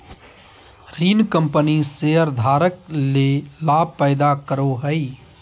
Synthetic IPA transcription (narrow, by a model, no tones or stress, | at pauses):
ɾiːnkə̃mpəniseəɾd̪ʱaːɾəklelaːb̚ʱpəɪd̪akəɾoɦəi